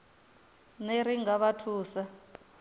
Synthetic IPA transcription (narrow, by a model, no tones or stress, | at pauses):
neɾiŋɡaβatʰuːsa